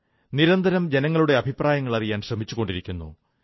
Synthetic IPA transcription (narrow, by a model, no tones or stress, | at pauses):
niɾɐnd̪ʱɐɾɐmd͡ʑe̞nɐŋːɐɭuɽe̞ɐbʱipraːjɐŋːɐɭɐrijaːnɕrɐmit͡ɕːuɣo̞ɳɖiɾikʲːunːṵ